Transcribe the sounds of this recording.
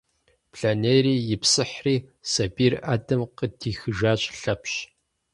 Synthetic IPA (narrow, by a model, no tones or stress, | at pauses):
pʰɬanejriːjɪpsɨħriːsɐbiːraːdɐmqədʰiːxɨʒaːɕʼɬɐpɕ